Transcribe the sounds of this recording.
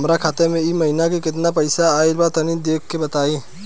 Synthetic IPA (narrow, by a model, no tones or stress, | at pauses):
mɾakʰaːt̪emẽimɐɦɪnakekɪt̪napɐɪsaːɪlbat̪ɐnid̪eːk̚ʰkebɐt̪aːĩː